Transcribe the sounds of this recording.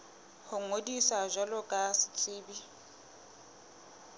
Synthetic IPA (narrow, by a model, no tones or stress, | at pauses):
hʊŋ̩ŋodisaʒʷalɔkʼasɪ̥t͡sʼɪːbi